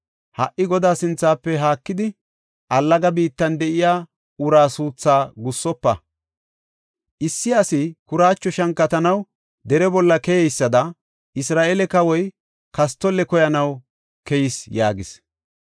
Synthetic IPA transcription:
hɐʔːɪɡɔd̪aːsɪnt͡sːaːpːɛɦaːkːɪd̪ɪ | ʔɐlːɐɡɐbiːt̪ːɐnd̪ɛʔɪjaː | ʊɾaːsuːt͡sːaːɡʊsːɔpːɐ | ʔɪsːɪɐsɪkʊɾaːt͡ʃːɔʃɐŋkːɐt̪ɐnɐw | d̪ɛɾɛbɔlːɐkɛjɛjsːɐd̪ɐ | ʔɪsɾaːʔɛlɛkɐwɔj | kɐs̬t̪ːɔlːɛkɔjɐnɐw | kɛjɪsjaːɡɪs

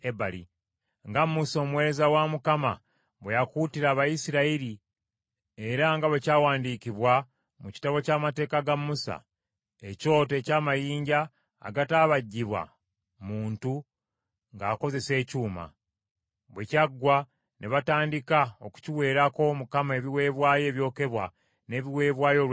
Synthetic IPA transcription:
ebalḭ | ŋɡamːuso̞mwe̞ɾezawamukama | βwejakuːtiɾaːβajisiɾaiɾi | e̞ɾaŋɡaβecaːwaːndikiβwa | muci̥taβo̞caːmate̞ːkaɡamːusa̰ | eco̞ːte̞ːcaːmajiːɲɟa̰ː | ɡataːβaɟːiβwa̰ | muːntu | ŋɡaːko̞ze̞se̞ːcuːma̰ | βwecaɡwa | nʔeβataːndikaoku̥ciwe̞ːɾako̞mukamae̞βiwe̞ːβwaːje̞ːβjo̞ːke̞βwa | ne̞ːβiwe̞ːβwaːjo̞ɾ

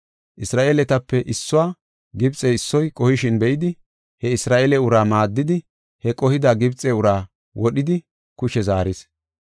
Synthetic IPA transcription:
ʔɪsɾaːʔeːlɛt̪ɐpːɛʔɪsːʊwaː | ɡɪbt͡sʼːɛɪsːɔjkʼɔhɪʃɪnbɛʔɪd̪ɪ | hɛɪsɾaːʔeːlɛʊɾaːmaːd̪ːɪd̪ɪ | hɛkʼɔhɪd̪aɡɪbt͡sʼɛʊɾaː | wʔɔɗɪd̪ɪ | kʊʃɛzaːɾɪs

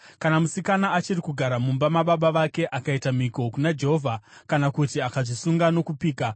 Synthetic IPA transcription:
kanamusikanaat͡ʃirikuɡʱaɾamumbamaɓaɓaʋake̞ʔakaitamikokunad͡ʒe̞ɦo̞vʱakanakutiakaʐisuŋɡano̞kupiːka

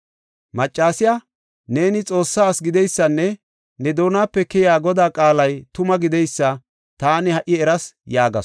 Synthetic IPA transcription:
mɐt͡ʃʼːaːsɪjɐ | ne̞ːnɪt͡sʼo̞ːsːaːsɡɪd̪ɛjsːɐnːɛ | nɛd̪o̞ːnaːpːɛkɛjaːɡɔd̪aːkʼaːlɐjt̪ʊmɐɡɪd̪ɛjsːɐ | t̪aːnɪhɐʔɪɛɾɐsjaːɡɐs

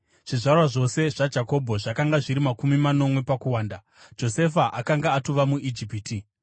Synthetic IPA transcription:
ʐ̥iʐarwaʐo̞se̞ʐ̥ad͡ʒako̞bʱo̞ʐakaŋɡaʐiɾimakumimano̞mwe̞pakuwaːnda | d͡ʒo̞se̞faʔakaŋɡaːtuʋamuʔid͡ʒipiːti

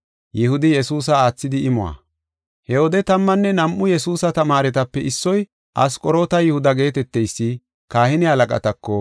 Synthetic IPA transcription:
jɪhʊd̪ɪjɛsuːs̬ɐaːt͡sːɪd̪ɪɪmʊwa̰ | hɛwɔd̪ɛt̪ɐmːɐnːɛnɐmʔːʊjɛsuːsɐt̪ɐmaːɾɛt̪ɐpːɛʔɪsːɔj | ʔɐskʼɔɾoːt̪ɐjɪhʊd̪ɐɡe̞ːt̪ɛt̪ːɛjsːɪ | kaːhɪnɪhɐlɐkʼɐ̰t̪ɐkːɔ

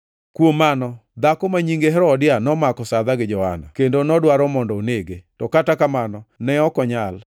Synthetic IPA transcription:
kwomanɔd̪akɔmaɲiŋɡeɦɛɾɔdɪjanɔmakɔsad̪aɡɪd͡ʒɔha̰na̰kendonɔdwaɾɔmɔndɔoneɡetɔkatakamanɔnɛɔkɔɲal

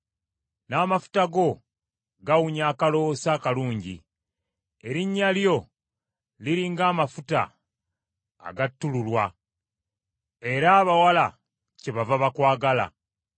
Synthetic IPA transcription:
naːmafu̥taɡo̞ | ɡawuɲaːkalo̞saːkaluːɲɟḭ | e̞ɾiɲːaljo̞ | liɾiːŋɡaːmafuta̰ | ɡatːululwa | e̞ɾaːβawala | ce̞βavaβakwaːɡala̰

